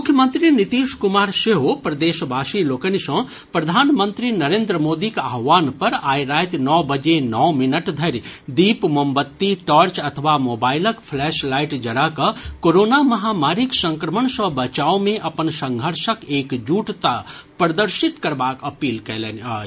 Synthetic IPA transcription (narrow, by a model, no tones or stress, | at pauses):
mʊkʰjəmə̃nt̪ɾinit̪iːʃkʊmaːɾseɦopɾɐd̪eːʃbʱaːʃiloːkənisə̃ | pɾɐd̪ʱaːnmə̃nt̪ɾinɐɾẽːnd̪ɾəmoːd̪ikaɦʋaːnpɐɾaːiɾaːjt̪nɔːbəd͡ʒenɔːmɪnəʈd̪ʱəɾd̪iːpmombət̪ːiʈɔːɾt͡ʃɐt̪ʰəʋamoːbaːɪləkpʰlɛːʃlaːɪʈd͡ʒɐɽakəkoɾoːnamɐɦaːmaːɾiksə̃ŋkɾəməɳsə̃bɐt͡ʃaːomẽʔɐpənsə̃ŋɡʱəɾʃəkeːkd͡ʒuːʈt̪apɾəd̪əɾʃɪt̪kɐɾbaːkɐpiːlkɛlena